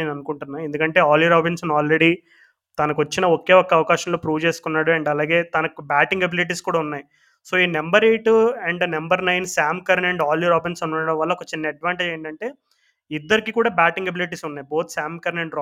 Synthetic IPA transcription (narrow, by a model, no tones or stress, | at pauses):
nɐnukuɳʈunːaːjend̪ukɐɳʈe̞ːaːljiɾaːbinsɐnaːlɾeɽiː | t̪ɐnɐkʋɐt͡ʃːinɐɔkeːɔkːɐɐʋɐkaːʃɐmlo̞ːpɾuːʋt͡ʃe̞ːsu̥kunːaːɽuɐɳɖɐlaːɡeːt̪ɐnɐkubaːʈiŋɡɐbiliʈ̬iːskuːɽaːunːaːji | so̞ːiːnɐmbɐɾe̞ːʈɛɳɖnɐmbɐɾnɐjnsaːmkɐɾnɐɳɖaːljuɾaːbinsunːɐɐɽɐmʋɐlːɐokːɐt͡ʃinːɐɐɖʋaːɳʈed͡ʒejɳʈɐɳʈe̞ː | id̪ːɐɾikiːkuːɽaːbaːʈiŋɡɐbiliʈ̬iːsunːaːjbo̞ːt̪ʰsaːmkɐɾneɳɖɾ